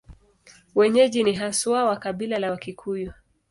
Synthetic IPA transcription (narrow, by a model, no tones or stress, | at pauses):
wɛɲɛʄiniɦaswawakaɓilalawakikʰujɔ